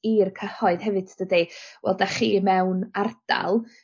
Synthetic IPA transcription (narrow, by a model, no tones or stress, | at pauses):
iːrkʰəhɔɨðɦɛvɨtʰd̥ədiwɛ̰lˠdaχiːmɛwnard̥a̰lˠ